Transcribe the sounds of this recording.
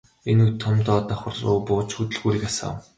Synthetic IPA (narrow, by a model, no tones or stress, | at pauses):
enukt̪ʰːɔmt̪ɔːt̪ɔːχʊ̆rʊ̰ːpʊːt͡ɕxut̪ɘ̆ɮɣuːɾiːkasa̰ːw